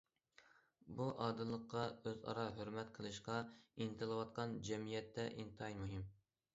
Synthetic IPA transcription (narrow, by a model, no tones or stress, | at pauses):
buʔɑːd̪ɨlˠːəqːɑøzɑ̰ɾɑɦøɾmɛt̪qʰəlˠɨʃqɑint̪ʰɨlˠɨwɑt̪̚qʰɑnd͡ʒɛmijɛt̪ʰːɛʔint̪ʰɨɑjmuɦɨm